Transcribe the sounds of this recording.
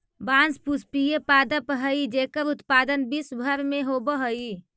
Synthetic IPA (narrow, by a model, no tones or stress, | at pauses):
bãnspuspijepad̪əpɦəid͡ʒekəɾut̪pad̪ənbisbʱəɾmeɦobəɦəi